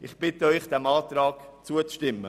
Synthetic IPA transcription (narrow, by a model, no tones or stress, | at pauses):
ɪχb̥ɪt̪əœʏχd̪̥ɛmɑːt̪ɾɑːɡt͡suət͡sʃtɪmːə